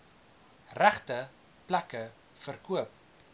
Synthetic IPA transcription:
ræχtə | plækə | fərkuəp̚

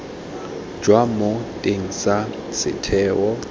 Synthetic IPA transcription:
d͡ʒwamotʼeŋ̩sa | sɪ̰tʰɛːwɔ

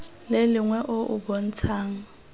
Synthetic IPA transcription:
lelɪŋwɛʔoʔṵɓon̩t͡sʰaːŋ̩

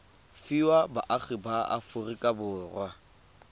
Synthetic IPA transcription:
fiwabaʔaχɪbaa̰fʊrikʼabʊːrwa

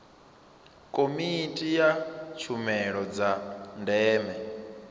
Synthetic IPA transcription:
kʼomitʼijat͡ʃʰumɛɺɔd͡zandɛːmɛ

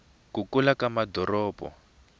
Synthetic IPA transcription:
kukulakamadʱɔrɔːbɔ̰

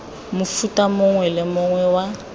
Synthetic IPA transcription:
mʊfutʼamʊŋwɛlɪmʊŋwɛwa

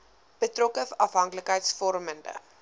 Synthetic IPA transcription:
b̥ətrɔkəfʔɐfɦɐŋkləkɦəjtsfɔrməndə̰

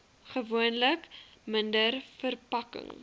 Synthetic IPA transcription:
χəvuənləkməndərfərpɐkə̰ŋ

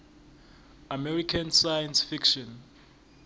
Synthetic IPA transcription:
amɛrikʰansajansfikʃɔn

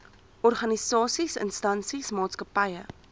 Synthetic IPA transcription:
ʔɔrχɐnisɑːsisə̰nstɐnsismɑːtskəpɐjə

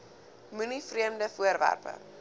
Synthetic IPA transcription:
mʉnifriəmdəfuərvæ̰rpə̰

